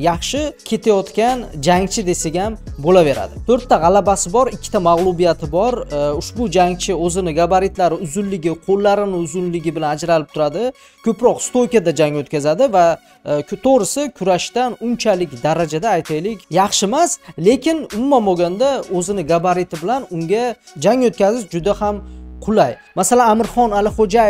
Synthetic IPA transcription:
jɑχʃɪkʲʰe̞t̪ʰajɒt̪kʲand͡ʒaŋt͡ʃʰɪd̪e̞seɡʲambolave̞ɾa̰d̪ɪt̪ʰɵɾt̪ːaʁɑlabasɪbɒɾɪkʲʰːɪ̥t̪ʰamaʁlˠʊbijat̪ʰɪbɒɾʊʃbʊd͡ʒaŋt͡ʃʰɪɵzɪnɪɡabaɾɪt̪laɾɪʊzʊnlɪɡʲɪqʰolːaɾɪnɪʊzʊnlɪɡʲɪbɪlanad͡ʒɾalɪp̚t̪ʰʊɾad̪ɪ | kʲʰɵpɾɒqst̪ojkʲad̪ad͡ʒaŋot̪kʲʰazad̪ɪva | t̪ʰoɾɪsɪkʲʰʊɾaʃt̪anʊnt͡ʃʰalɪkʲd̪aɾad͡ʒad̪aːjt̪ʰajlɪkʲjɑχʃɪmasle̞kʲɪnʊmumanboɡʲand̪aɵzɪnɪɡabaɾɪt̪ʰɪbɪlanʊŋɡʲad͡ʒaŋot̪̚kʲazɪzd͡ʒʊd̪ahamqʰʊlajmasalanamɪɾχɒnalɪχod͡ʒajɪ

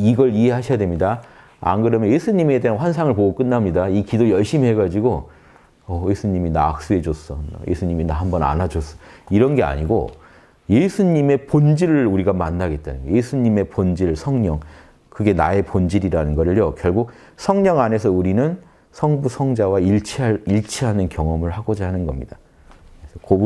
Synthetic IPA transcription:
iɡʌɭiɦe̞ɦaɕʰijadwe̞mɲida | a̰nɡɯɾʌmjʌnje̞sʰuɲime̞de̞ɦanɸwans̬ʰaŋɯɭpoɡok͈ɯnːamɲidaikidojʌɭɕ͈imiɦe̞ɡad͡ʑiɡo | ʌje̞sʰuɲimina̰k̚s͈uɦe̞d͡ʑos͈ʌ̰jḛsʰuɲiminaɦambʌna̰nad͡ʑos͈ʌ̥iɾʌnɡe̞a̰ɲiɡo̰ | jesʰuɲime̞pond͡ʑiɾɯɭuɾiɡamanːaɡe̞t̚t͈a̰nje̞sʰuɲime̞pond͡ʑiɾɯɭsʰʌŋɲʌŋ | kɯɡe̞nae̞pond͡ʑiɾiɾanɯnɡʌɾɯɭjokjʌɭɡuk̚ | sʰʌŋɲʌŋane̞sʰʌuɾinɯn | sʰʌŋbusʰʌŋd͡ʑawaiɭt͡ɕʰiaiɭt͡ɕʰiɦanɯnkjʌŋʌmɯɭhaɡod͡ʑaɦanɯnɡʌmɲid̥a | kkɯesʰʌko

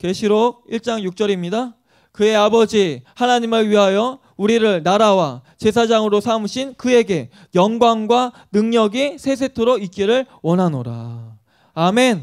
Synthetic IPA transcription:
ke̞ɕʰiɾok̚iɭt͡ɕ͈aŋjuk̚t͡ɕ͈ʌɾimɲida | kɯe̞abʌd͡ʑihanaɲimɯɭɥiɦajʌ | uɾiɾɯɭnaɾawat͡ɕe̞s̬ʰad͡ʑaŋɯɾosʰamɯɕʰinkɯe̞ɡe̞ | jʌŋɡwaŋɡwa | nɯŋɲʌɡisʰe̞s̬ʰe̞tʰoɾoik͈iɾɯɭ | wʌnɦano̰ɾa̰ | ame̞n

